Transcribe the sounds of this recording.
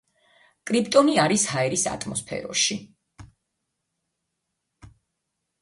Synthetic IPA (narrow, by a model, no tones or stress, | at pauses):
kʼɾipʰt̪ʼɔniaɾishaɛɾisa̰t̪ʰʼmɔspʰɛ̰ɾɔ̰ʃi